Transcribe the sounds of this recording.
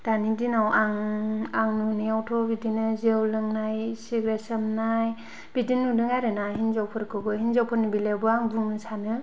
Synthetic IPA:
d̥anidinawʔaŋaŋnuniawtʰɔbidinɯzewlɯŋnajsiɡɾesɯmnaj | b̥idinːudɯŋaɾɯnaɦinzawpʰɯɾkʰɯbɯɦinzawpʰɯɾnibilabɯaŋbuŋnɯsanɯ

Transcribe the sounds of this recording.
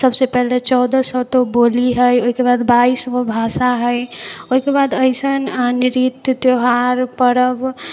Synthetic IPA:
səbsepɛɦlet͡ʃɔʊd̪əsɔt̪oboliɦəjoikebad̪baisʋobʱasaɦəjoɦikebad̪əɪsənniɾit̪jt̪joɦaɾpəɾəb

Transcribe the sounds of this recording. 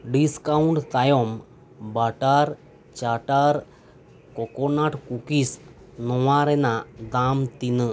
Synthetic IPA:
ɖiskauɳʈt̪ajɔm | baʈaɾ | t͡ɕaʈaɾ | kɔkɔnaʈkukis | nɔwaɾɛnad̪amt̪inə

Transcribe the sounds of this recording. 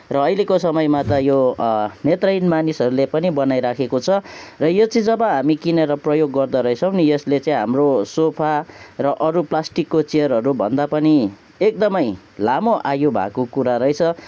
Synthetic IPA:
rʌːjlekosʌmʌjmat̪ʌjonet̪rʌjnmanisɦʌɾulepʌnibʌnajɾakʰekot͡sʰʌrʌjot͡sʌĩd͡zʌbʌɦamikineɾʌprʌjoɡːʌrd̪aɾʌjsʰʌwnijʌslet͡sʌĩɦa̰mrosopʰarʌʔʌɾuplasʈikːot͡sijʌɾɦʌɾubʱʌ̰nd̪apʌni | ek̚d̪ʌmʌj | lamoʔajobʱa̰kokuɾaɾʌjt͡sʰʌ

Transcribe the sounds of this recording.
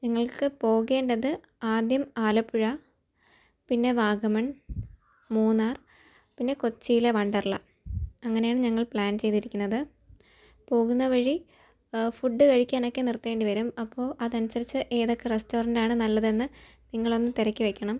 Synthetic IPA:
ɲɐŋːɐɭkɨpo̞ːɣe̞ːɳɖɐðɨ | aːd̪jɐmaːlɐpːuɻɐ | pinːe̞ʋaːɡɐmɐɳ | muːnaːr | pinːe̞ko̞t͡ɕːijile̞ʋɐɳɖɐrɭɐ | ɐŋːɐne̞jaːɳɨɲɐŋːɐɭpɭaːnt͡ɕe̞jt̪iɾikʲːunːɐðɨ | po̞ːɣunːɐʋɐɻi | fuɖːɨkɐɻikʲːaːno̞kːenirt̪ːie̞ːɳɖiʋɐɾumɐpːo̞ːʔɐðɐnusɐɾit͡ɕːɨʔeːðo̞kːe̞resto̞ːrɐndaːɳɨnɐlːɐðe̞nːɨniŋːɐɭo̞nːɨmt̪iɾɐkʲːɨʋe̞kʲːɐɳɐm

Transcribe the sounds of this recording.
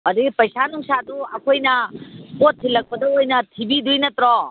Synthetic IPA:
ɐɾipɐjsanuŋsaduɐkʰojnɐkotʰːilɐk̚pɐdɐojnɐtʰibidujnɐt̪ɾɔ

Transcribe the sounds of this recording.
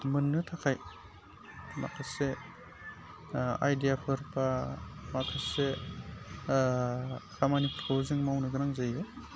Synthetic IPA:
mɯnːɯtʰakʰaj | ma̰kʰase | a̰jdijapʰɯɾpamakʰase | kʰamaniptʰkowziŋmawnɯɡɯɾaŋzajɯ

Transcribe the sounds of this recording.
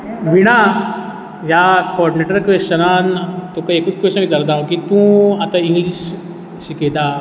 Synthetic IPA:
ʋiɽ̃a | jakɔːɾɖineʈəɾkʋest͡ʃɐnaːnt̪ũkɐekut͡skʋenik̪ɐɾd̪aːɦũkit̪ũɐt̪aĩŋɡliʃ | siked̪a

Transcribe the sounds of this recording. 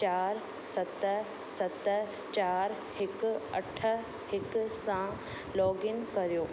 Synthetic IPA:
t͡ɕaːɾ | sɐt̪ə | sɐt̪ə | t͡ɕaːɾ | hɪkɐʈʰə̆ | hɪksã | lɔːɡɪnkɐɾijoː

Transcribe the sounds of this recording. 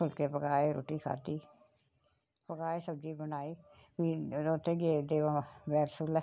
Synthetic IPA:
kʰʊlkeːpəɡaːeɾo̰ːʈiːkʰa̰ːt̪iː | pəɡaːeːsəb̚d͡ʒiːbənaːiːʋiːd̪oːt̪ẽːɡed̪eːʋãːʋɛːɾsulɛ

